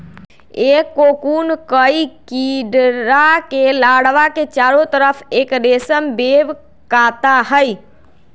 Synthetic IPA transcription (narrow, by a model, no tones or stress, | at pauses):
ekːokunkəjkiɖɾakelaɽʋaket͡ʃaɾot̪əɾəpʰekɾesəmbeʋ | kat̪aɦəj